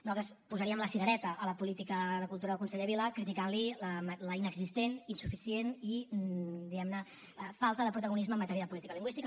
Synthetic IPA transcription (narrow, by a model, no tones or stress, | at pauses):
nuat̪ɾspuzəɾiəmləsiɣəɾɛt̪əʔələpulit̪ikəðəkulˠt̪uɾəðəkunsɛʎəβiləkɾit̪ikanliləmləinəɡzist̪eninsufisieni | d̪iɣɛmnə | falˠt̪əðəpɾut̪əɣunizməːmːət̪ɛɾijəðəpulit̪ikəliŋɡwist̪ik